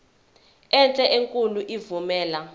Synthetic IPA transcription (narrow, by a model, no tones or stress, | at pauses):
ɛnt͡ɬʼɛʔeŋkʼuluʔivumɛːla